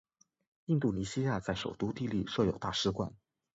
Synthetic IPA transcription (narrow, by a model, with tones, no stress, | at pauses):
i˥˧nt̪u˥˩ni˧˥ɕi˥ja˥˧t͡sa˥˩ɪʂo˨˩ʊt̪u˥t̪i˥˧li˥˩ʂɤ˥˩jo˨˩ʊt̪a˥˩ʂɻ̩˥kwa̰˥˩n